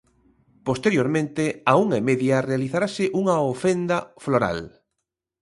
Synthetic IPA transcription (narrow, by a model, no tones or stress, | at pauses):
post̪eɾjoɾmẽnt̪eauŋemeðjarealiθaɾasɪʔuŋɐofend̪ɐfloɾa̰l